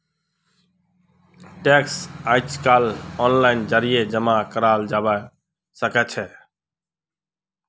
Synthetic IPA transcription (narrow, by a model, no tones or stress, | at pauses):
ʈeksaɪt͡ʃkaːlɔːnlaːɪnd͡ʒəɾijed͡ʒəmakəɾaːld͡ʒaːbə | səkɛt͡ʃʰɛ